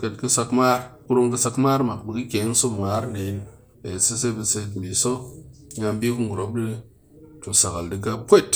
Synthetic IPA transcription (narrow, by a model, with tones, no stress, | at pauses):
ka˧tkɨ˦sa˧kmaː˦ɾku˦ɾo˦ŋkɨ˧sa˧kmaː˦ɾma˨kbi˨kɨ˦kʲe˨˦ŋ˦so˦˨ma˨˦ɾne˨˦n | e˨si˦se˦bi˧se˧kbi˨so˦ɲa˧mbi˦kɨ˦ŋɡu˨ɾo˨˦bdi˦ | tu˧sa˨ka˨ldi˨ɡa˦kʷe˦˨t